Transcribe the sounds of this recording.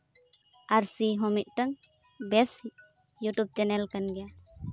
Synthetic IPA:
aɾsiɦɔ̃mit̪̚ˀʈaŋ | bɛsi | juʈub̚t͡ʃɛnɛlkanɡɛja

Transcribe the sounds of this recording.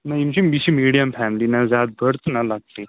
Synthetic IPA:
naimt͡ɕimiɕimiɽijəmfæmlinad͡zat̪̚bʱəɾt̪nalaɡ̚t̪e

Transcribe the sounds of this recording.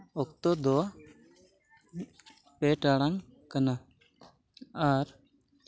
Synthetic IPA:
ɔkt̪ɔd̪ɔ | peʈaɽaŋ | kəna | aɾ

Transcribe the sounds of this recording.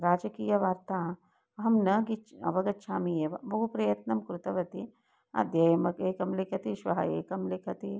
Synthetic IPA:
ɾaːd͡ʒɐkijɐʋaːɾt̪aː | ɐɦɐmnɐɡit͡ʃɐ̰ʋɐɡɐtʃʰaːmijeʋɐbʱɐɦupɾɐjɐt̪nɐmkɾut̪ɐʋɐt̪i | ɐ̰d̪jɐjmɐkeːkɐmlekʰɐt̪iʃʋɐɦɐ̰ḛːkɐmlekʰɐt̪i

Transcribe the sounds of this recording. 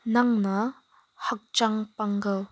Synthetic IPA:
nɐŋnɐ | hɐk̚t͡ʃaŋpaŋɡɐw

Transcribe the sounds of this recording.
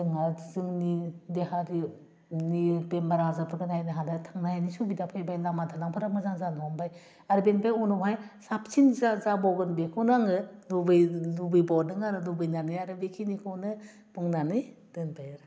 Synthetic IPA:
zɯŋazɯŋnideɦaɾi | nipenbaɾazɯpʰɯɡɯnajdeɦadatʰaŋnajnisubidapʰajbajlamadʰanaŋpʰɯɾamazaŋzanɔmbaj | aɾɯbenpajɔnɔbajsap̚t͡ʃinzazabɔɡɯnbekʰɔnaŋɯnubɯjnubɯjbɔnɯŋaɾɯnubɯjnanɯjaɾɯbekʰinikʰɔnɯ | buŋnanɯj | d̥ɯnpʰajaɾ

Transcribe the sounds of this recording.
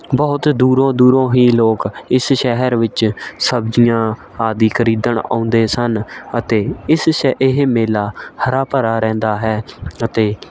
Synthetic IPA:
bəːʊt̪d̪uːɾõːd̪uːɾõːɦiːloːkɪsʃɛɦəɾʋɪt͡ʃsəbd͡ʒijãː | aːd̪iːkʰəɾiːd̪əɳã̰ːʊ̃nd̪eːsənət̪eːɪsʃɪɦemeːlaːhəɾaːpəɾaːɾɛ̃ːnd̪aːɦɛːət̪eː

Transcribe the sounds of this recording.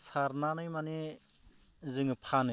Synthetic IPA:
saɾnanɯjmani | zɯŋɯpʰanɯ

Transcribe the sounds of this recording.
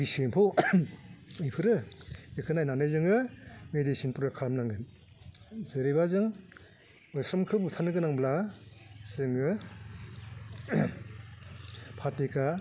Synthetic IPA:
bisempʰow | ijpʰɯɾɯekʰɯnajnanɯjzɯŋɯmedisinpuɾɯkʰamnaŋɡɯn | zɯɾibazɯŋ | ɔjsɾɔmkʰɯbutʰanɯɡɯnaŋbla | sɯŋɯ | pʰatika

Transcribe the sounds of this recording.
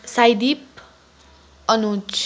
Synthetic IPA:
sajd̪ip̚ | ʌnut͡sʰ

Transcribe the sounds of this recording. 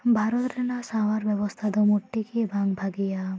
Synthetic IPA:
bʱaɾot̪ɾɛnasawaɾbɛbɔst̪ʰad̪umuʈːikibʱaŋbʱaɡija

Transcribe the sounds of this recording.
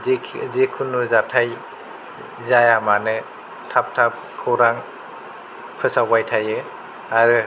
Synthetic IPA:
zikʰunuzatʰaj | zajamanɯ | tʰap̚tʰap̚kʰɯwɾaŋ | pʰɯsawajtʰajɯ | aɾɯ

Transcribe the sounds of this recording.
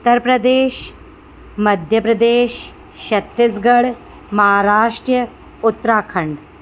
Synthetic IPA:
ut̪ːəɾpɾɐd̪eːʃ | mɐd̪ʱjɐpɾɐd̪eːʃː | ɐt̪ːisɡɐɽ | mɐɦaɾaːʂʈɾjɐ | ut̪ːɾaːkʰɐɳɖ

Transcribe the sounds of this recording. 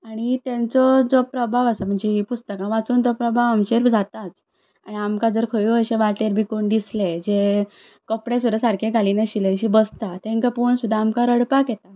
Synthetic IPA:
aɽ̃it̪jẽnt͡sɔd͡zɔpɾəbʱaʋasam̤əɳd͡zeɦipust̪əkãʋat͡suːnt̪ɔpɾəbʱaʋamɕeɾd͡zʱat̪at͡s | a̰ɽiamkad͡zəɾkʰəjiəɕeʋaʈeɾbʱikoɳd̪isled͡ze | kəpɽẽsud̪ʱasaɾkʰeɡʱaliːneɕileɕibəst̪at̪ẽŋkaponsud̪ʱːaːmkaɾəɽpakjɛt̪a

